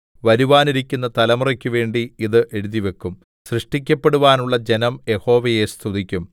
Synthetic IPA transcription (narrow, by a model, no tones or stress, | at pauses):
ʋɐɾuʋaːniɾikʲːunːɐt̪ɐlɐmurɐkʲːuʋe̞ːɳɖiiðɨʔeɾuðiʋe̞kːum | srɨʂʈik̬ʲːɐpːe̞ɽuʋaːnuɭːɐd͡ʑe̞nɐmje̞ho̞ːʋɐje̞st̪ʰuðikʲːum